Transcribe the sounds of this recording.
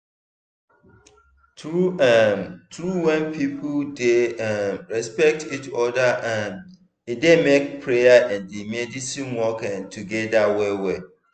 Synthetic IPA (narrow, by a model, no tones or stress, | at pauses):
tuɛmtʰɾuwɛ̃npʰipʰuldeɛɹɛspɛk̚tʰitʰɔdaʔɛ̃m | idemek̚pʰɹejaʔɛ̃ndimɛdisĩnwɔkɛ̃ntʰuɡɛdawɛwɛ